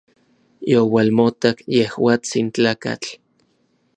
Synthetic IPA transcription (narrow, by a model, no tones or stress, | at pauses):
jowalmot̪akjehwaːt͡sint͡ɬaːka̰t͡ɬ